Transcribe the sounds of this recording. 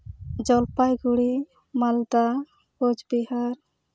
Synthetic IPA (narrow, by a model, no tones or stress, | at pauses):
d͡ʒɔlpajɡuɽi | mald̪a | kod͡ʒbihaɾ